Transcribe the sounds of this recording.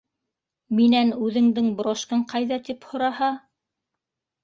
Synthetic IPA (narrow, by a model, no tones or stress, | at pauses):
minænʉðɘ̆ŋd̪ɘŋb̆ɾoʃkɤɴqɑjðɑt̪iphŏɾɑhɑ